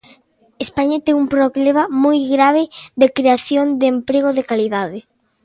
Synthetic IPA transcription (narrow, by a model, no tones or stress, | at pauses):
espaɲɐt̪ɛŋumpɾoɣlemamojɣɾaβ̞ɪðekɾeaθjoŋd̪ɪempɾeɣ̞oðɪkaliðaðɪ